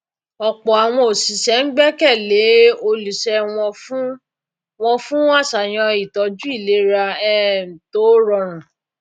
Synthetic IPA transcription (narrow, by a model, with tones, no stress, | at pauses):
ɔ˨k͡pɔ˨a˨w̃ɔ̃˧o˨si˨sɛ˨˦ŋ̩˦ɡ͡bɛ˦kɛ˦˨le˨˦o˧lu˨sɛ˧wɔ̃˧fu˦ | w̃ɔ̃˧fũ˦a˦˨sa˨j̃ɔ̃˧i˨tɔ˧˦d͡ʒu˦i˦˨le˨˦ɾa˧ɛ˦˨m̩˨to˨˦ɾɔ˧ɾ̃ã˨